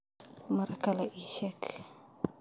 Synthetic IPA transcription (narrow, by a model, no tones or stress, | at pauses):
maɾakalaʔiʃɛk